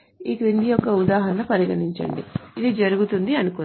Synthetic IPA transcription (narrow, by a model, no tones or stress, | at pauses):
iːkɾind̪ijɔkːɐud̪aːɦɐnɐpɐɾiɡɐniɲt͡ʃɐ̰ɳɖḭid̪id͡ʒɐɾuɡut̪und̪iɐnukun